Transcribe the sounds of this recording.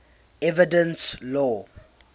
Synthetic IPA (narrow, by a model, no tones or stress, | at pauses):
ɛvidə̃nslɔ